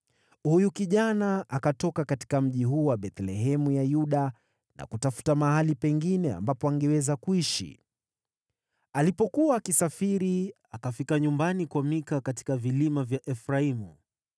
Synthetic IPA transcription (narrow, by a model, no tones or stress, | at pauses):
hujukiʄanaʔakatɔkakati̥kam̩ʄiɦuːwaɓɛt̪lɛɦɛmujajuɗa | na̰kutafu̥tamahalipɛŋɡinɛa̰mbapɔaŋɡɛwɛzakuiʃḭ | alipɔkuwaːkisafiɾi | akafikaɲumbanikwamikakati̥kavilimavjaʔɛfɾaimu